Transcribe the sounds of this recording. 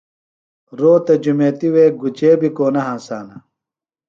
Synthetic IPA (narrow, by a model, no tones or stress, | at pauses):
ɾoːt̪ɐd͡ʑumeːt̪iweːɡut͡ɕeːbikoːnɐɦãːsaːnɐ